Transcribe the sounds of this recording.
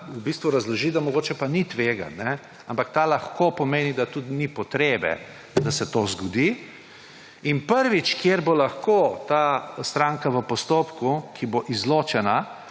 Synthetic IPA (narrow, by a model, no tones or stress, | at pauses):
ubist̪ʋuɾɐzlɔʒid̪amɔɡoːt͡ʃɛpanit̪ʋeːɡa̰nːɛ | ampakt̪alaxkopɔmeːnid̪at̪ut̪nipɔt̪ɾeːbɛ̰ | d̪asɛt̪oːzɡɔd̪i | inpəɾʋit͡ʃkjeɾbolaxkoːt̪ast̪ɾaŋkaʋəpɔst̪oːpkukʰiboʔizloːt͡ʃɛna